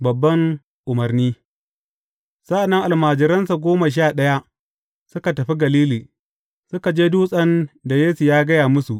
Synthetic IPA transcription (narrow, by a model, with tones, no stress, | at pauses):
bɐ˨bːɐ˦ŋ | ʔʊ˨mɐ˨rniː˦ | sɐ˦ʔa˨nːɐ˦ŋʔa˨lmaː˨d͡ʒɪ˨ɾɐ˦nsa˨ɡʷoː˦ma˨ʃ̬aː˦˨ɗɐ˦ja˦ʔ | sʊ˦ka˨tɐ˨ɸi˦ɡɐ˨liː˦liː˨ | sʊ˦ka˨d͡ʒeː˦duː˦sʼɐ˦nda˨jeː˦su˨jaː˦ɡɐ˦jaː˨mʊ˦su˨ʔ